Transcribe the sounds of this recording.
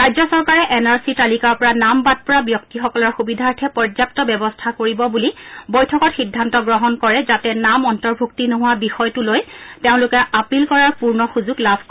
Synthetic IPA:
ɹajzɔsɔɹkaɹɛʔɛnaɹsitalikaɹpɔɹanambat̚pɔɹabjɔk̚tixɔkɔlɔɹxubidʱaɹtʰɛpɔɹzap̚tɔbɛbɔstʰakoɹibɔbulibɔjtʰɔkɔtxidʱːantɔɡɹɔɦɔnkɔɹɛzatɛnamɔntɔɹbʱuktinoɦʊwabixɔjtulojteʊ̃lʊkɛʔapilkɔɹaɹpuɹnɔxuzuɡlabʰʱk

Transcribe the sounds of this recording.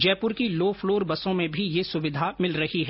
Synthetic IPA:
d͡ʒɛːpʊɾkiloːfloːɾbɐsõmẽbʱijesʊʋɪd̪ʱamɪlɾɐhiɦɛ

